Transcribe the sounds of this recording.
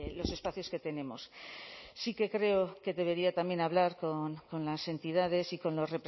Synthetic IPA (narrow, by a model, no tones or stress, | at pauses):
lo̞se̞spaθjo̞ske̞t̪e̞ne̞mo̞̰ssike̞kɾe̞oke̞ðe̞β̞e̞ɾiat̪amje̞naβ̞laɾko̞nko̞nlase̞nt̪ið̞að̞e̞siko̞nlo̞sre̞pɾ